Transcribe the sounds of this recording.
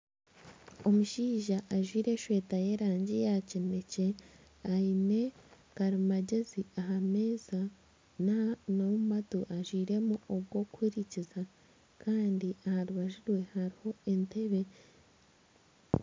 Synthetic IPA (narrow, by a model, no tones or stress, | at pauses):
o̞muʃiːʒaʔːʒwiːɾe̞ʃwe̞ːtaje̞ɾaːɲɟijaceme̞ce̞ | aine̞ | kaɾimaɟe̞ziaɦame̞ːza | nanomumatoʔaʒwiːɾe̞muʔobɡo̞kuwiɾiciza | kaːndiahaɾuβaʒuɾwe̞haɾiho̞ente̞βe̞